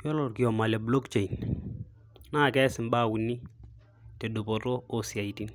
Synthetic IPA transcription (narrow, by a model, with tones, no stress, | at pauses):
jɔ˦lɔ˨ɾki˨jɔ˨ma˨le˨blo˦kt͡ʃe˨i˨n | naː˦˨kɛ˦sɪ˨mbaː˦wi˨nːi˦ | te˨du˨pɔ˨to˦osi˨a˨iti˦n